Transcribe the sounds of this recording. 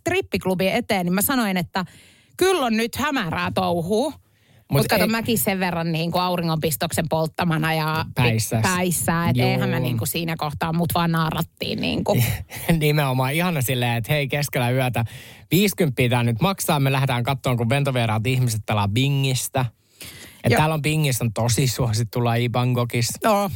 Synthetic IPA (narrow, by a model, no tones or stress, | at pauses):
t̪ripːiklubiʔet̪eːnimæsɑnoinet̪ːæ | kylːonnyt̪hæmæræːt̪ouhuː | mut̪kɑt̪omækisseʋʋerːɑnniːŋkuɑuriŋːompist̪oksempolt̪ːɑmɑnɑjɑpæisːæpæisːæːet̪eihæmmeniːŋkusiːnækoht̪ɑːmmut̪ʋɑːnnɑːrɑ̰t̪ːḭːnnḭːŋkunimeomɑːihɑnɑsilːeːet̪heikeskelæyæt̪æʋiːskympːiːt̪æːnyt̪mɑksɑːmelæhet̪æːŋkɑt̪ːoːŋkuʋʋent̪oʋiɑɾɑlt̪ihmiset̪̚pelɑʋiŋːist̪æ | ɑ̰t̪æːlːompiŋːist̪ont̪osisuɑsit̪ːulːɑipɑŋɡokisno